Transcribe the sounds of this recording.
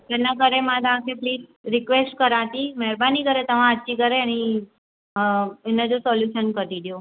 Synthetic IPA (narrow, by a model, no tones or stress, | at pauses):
t̪ɛnakəɾemãd̪ãkʰepliːd͡ʒɾikʋesʈkəɾat̪imɛɾbanikəɾet̪əʋãət̪ːt͡ʃikəɾeni | ɛned͡ʒosɔljuʃənkəɾid̪jo